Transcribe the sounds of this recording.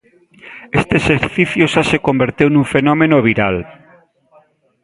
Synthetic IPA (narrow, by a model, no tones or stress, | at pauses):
est̪eeseɾθiθjoʃasekombeɾt̪ewnũŋfenɔmenoβ̞iɾal